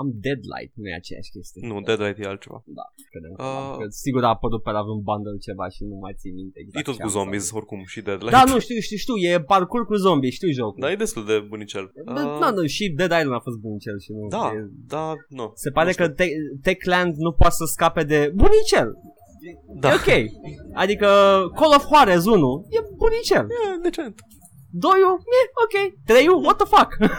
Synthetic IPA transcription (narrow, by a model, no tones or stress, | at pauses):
amd̪ed̪la̰jt̪̚nujḛa̰t͡ʃeja̰ʃkʲest̪ienud̪ed̪lajt̪jealt̪t͡ʃeva̰d̪a̰̥ | kɾed̪emkəa̰kəsiɡuɾapəɾut̪̚peɾavɨn̚band̪əlt͡ʃe̞va̰ʃinuma̰jt̪simint̪ekejt̪otkuzombizorkumʃid̪ed̪lad̪anuʃt̪iuʃt̪iʃt̪iwjeparkurkuzombiʃt̪iwʒokd̪ajed̪est̪uld̪ebunit͡ʃelnanuʃid̪ed̪lajlmafo̞st̪̚bunit͡ʃelʃinud̪ajed̪anase̞paɾe̞kət̪et̪ekland̪nupowat̪səskape̞d̪e̞bunit͡ʃel | d̪aokʲejad̪ikəkolofhoaɾez̬unuje̞bunit͡ʃeljed̪et͡ʃeent̪ | d̪o̞jueokʲe̞jt̪ɾe̞juwot̪əfak